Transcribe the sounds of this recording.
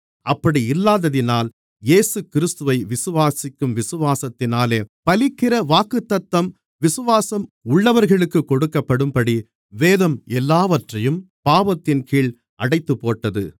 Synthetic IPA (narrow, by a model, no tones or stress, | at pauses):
ʔɐpːɐɽiɪlːaːðɐðɪnaːl | jeːsɯkɪɾɯst̪ɯʋɐɪʋɪsɯʋaːsɪkːɯmʋɪsɯʋaːsɐt̪ːɪnaːleːpɐlɪkːɪɾɐʋaːkɯt̪ːɐt̪ːɐm | ʋɪsɯʋaːsɐmʊɭːɐʋɐɾɣɐɭɯkːɯkːɔɽɯkːɐpːɐɽɯmpɐɽi | ʋeːðɐmɛlːaːʋɐʈrɐjɯmpaːʋɐt̪ːɪnkiːɭ | ʔɐɽɐɪt̪ːɯpːoːʈːɐðɯ̰